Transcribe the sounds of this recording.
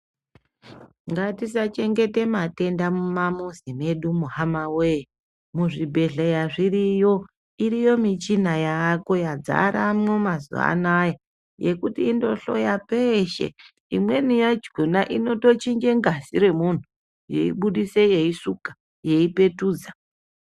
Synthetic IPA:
ŋɡatisat͡ʃe̞ŋɡe̞te̞mate̞ndamumamuzime̞ɗumuhamaweːi | muʐibʱe̞ɮejaʐirijo̞ | iɾijo̞mit͡ʃinajako̞jad͡za̰ɾamwomazṵa̰naja | je̞kutiːndo̞ɬo̞̰japeʃḛ | ḭmwe̞nijad͡ʒɡʱunaʔino̞to̞t͡ʃiŋɡe̞ŋɡasiɾe̞mun̤u | jḛḭɓuɗise̞je̞isukḁ | je̞ipe̞tuːd͡za

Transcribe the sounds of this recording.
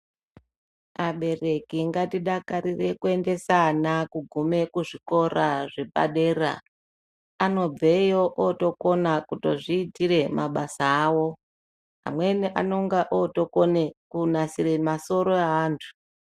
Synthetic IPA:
maɓe̞re̞kiŋɡatiɗakaɾire̞kue̞nde̞sanakuɡʱume̞kuʐiko̞ɾaʐepa̰ɗe̞ra̰ | ano̞b͡vejoʔoto̞ko̞nakuto̞ʐiːtire̞maɓasaːwo̞ | ɦa̰mweniʔano̞ŋɡaʔoto̞konekunasire̞maso̞ɾo̞aɦaːntʰu̥

